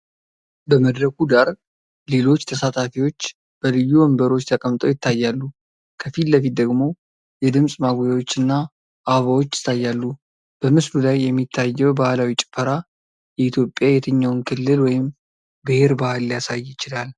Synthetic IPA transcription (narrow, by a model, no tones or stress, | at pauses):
bəməd̪ɾəkud̪aɾ | le̞lo̞t͡ʃːt̪ʰəsat̪ʼafiwo̞t͡ʃː | b̥əlɨjːuəmbəɾo̞t͡ʃːt̪ʰəkʼəmt̪ʼowjɪt̪ːajːalːu | kʰəfilləfit̪̚d̪əɡmo̞ | jɛd̪ɨmsʼmaɡojawo̞t͡ʃːɨnːa | ʔaβawot͡ʃːɪ̥t̪ʰːajːalːu | b̥əmɨslulajːɛmːit̪ʰːajːɛwbahlawit͡ʃʼɪ̥fəɾa | jɛit̪ʰjo̞pʼːjajɛt̪ʰɨɲːawnkʰɨlːɨlwɔjɪm | bɨheɾbahalːijasajːɪt͡ʃɪlal